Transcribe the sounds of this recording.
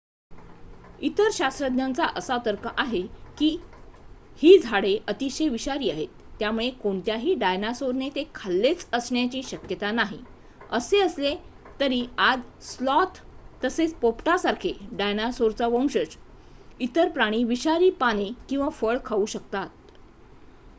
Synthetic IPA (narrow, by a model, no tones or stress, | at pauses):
it̪əɾɕast̪ɾəd̪ɲjant͡saʔəsat̪əɾkəʔaɦekiː | hiːd͡zʱaɽeʔət̪iɕejʋiɕaɾiːaɦet̪ːjamuɭekoɳt̪jaɦiːɖajnasoɾnet̪ekʰalːet͡səsɳjat͡ɕiːɕəkjət̪anaɦḭ | əseəsle | t̪əɾiːad͡zslɔt̪ːəset͡spopʈasaɾkʰeɖajnasoɾt͡saʋəmɕət͡s | it̪əɾpɾaɽ̃iːʋiɕaɾiːpaɽ̃ekĩw̃ʋafəɭkʰauːɕək̚t̪at̪̚